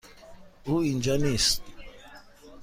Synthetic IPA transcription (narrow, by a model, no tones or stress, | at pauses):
uind͡ʒanis